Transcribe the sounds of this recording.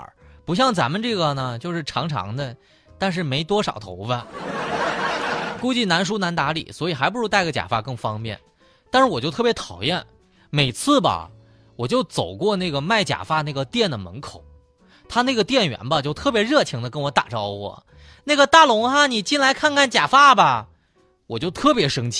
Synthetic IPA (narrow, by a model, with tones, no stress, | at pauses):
pu˧˥ɕ̬jɑ˥˩ŋt͡sa˧˥nmə˧nʈ͡ʂɤ˥˩ɡə˩nə˩t͡ɕjo˥˧ʊʂɻ̩˥˩ʈ͡ʂʰɑ̰˧˥ŋʈ͡ʂʰɑ̰˧˥ŋd̪ə˧ | t̪a˥˧nʂ̬ɻ̩˥˩me˧˥ɪt̪wɔ˥ʂɑ˨˩ʊt̪ʰo̰˧˥ʊbə˧ | ku˥˧t͡ɕi˥˩na˧˥nʂ̬u˥na˧˥nt̪a˧˥lḭ˨˩swɔ˧˥i˨˩xa˧˥ɪp̬ʂɻ̩˥t̪a˥˩ɪɡə˩t͡ɕja̰˨˩fa˥˧kɤ˥˩ŋfɑ˥ŋpjɛ̰˥˩n | t̪a˥˧nʂɻ̩˥˩wɔ˨˩t͡ɕjo˥˧t̪ʰɤ˥˩pjɛ˧˥t̪ʰɑ˨˩ʊjɛ˥˩n | me˨˩ɪt͡sʰɹ̩˥˩bɐ̰˩ | wɔ˨˩t͡ɕjo˥˩ʊt͡so˨˩ʊkwɔ˥˧na˥˩ɡə˩ma˥˩ɪt͡ɕja̰˨˩fa˥na˥˩ɪɡə˩t̪jɛ˥˩nd̪ə˩mə̰˧˥nkʰo˨˩˦ʊ | t̪ʰa˥na˥˩ɡə˩t̪jɛ˥˩nɥɛ̰˧˥nbɐ˧t͡ɕjo˥˧ʊt̪ʰɤ˥˩pjɛ˧˥ɻɤ˥˩t͡ɕʰi˧˥ŋd̪ə˧kə˥nwɔ˧˥t̪a̰˨˩ʈ͡ʂɑ˥ʊwɔ̰˨˩ | na˥˩ɪɡə˩t̪a˥˩lʊ˧˥ŋxa˧ni˨˩t͡ɕi˥nla˧˥ɪkʰa˥˧nkʰa˥˩nt͡ɕja̰˨˩fa˥˩bɐ˨ | wɔ˨˩t͡ɕjo˥˧ʊt̪ʰɤ˥˩pjɛ˧˥ʂɤ˥ŋt͡ɕʰ